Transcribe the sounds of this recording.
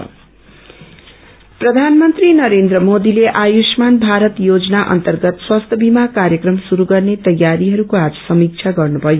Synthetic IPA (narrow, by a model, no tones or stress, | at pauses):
prʌd̪ʱanmʌnt̪rinʌɾend̪rʌmod̪ileʔajusmanbʱaɾʌt̪jod͡zʌnaʔʌ̰nt̪ʌrɡʌt̪swast̪ʰʌbimakaɾjʌkrʌmsuɾuɡʌrnet̪ʌjːaɾiɦʌɾukoad͡zʌsʌmik̚t͡ʃʰaɡʌrnubʱʌjo